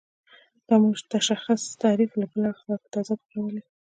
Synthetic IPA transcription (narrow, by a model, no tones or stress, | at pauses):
d̪amuʐt̪aʃaxast̪ɑɾiflabəlaxlɑkt̪ɑzabəkawəle